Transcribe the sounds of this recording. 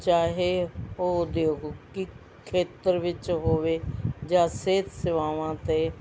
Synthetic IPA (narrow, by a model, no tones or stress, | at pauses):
t͡ʃaːɦeoːd̪eːkoki | kʰeːt̪əɾʋɪt͡ʃɦoːʋeːd͡ʒãːseːt̪sɪʋaːʋãːt̪eː